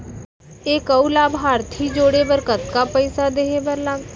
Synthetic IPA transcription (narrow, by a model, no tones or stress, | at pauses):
eːkɐulaːbɦaːɾt̪ʰid͡ʒoːɽebəɾkət̪kapəɪsad̪eːebəɾlaːɡ